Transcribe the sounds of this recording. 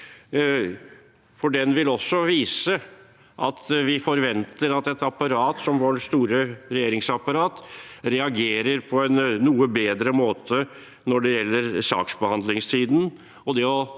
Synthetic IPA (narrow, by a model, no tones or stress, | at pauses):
fɔɖɛnʋɪlɔsːɔʋiːsə | ʔɑ̰t̪ʋɪfɔɾʋɛnt̪əɾɑt̪ɛt̪ɑpɑɾɑːt̪sɔmʋoɾst̪uːɾəɾɛjeːɾɪŋsɑpɑɾɑːt̪ɾɛɑɡeːɾəɾpʰɔɛnːuːəbeːd̪ɾəmoːt̪ʰə | nɔɖɛjɛlːəɾsɑ̰ːksbəhɑnd̪lɪŋst̪ʰiːd̪n̩ | ɔd̪ɛɔ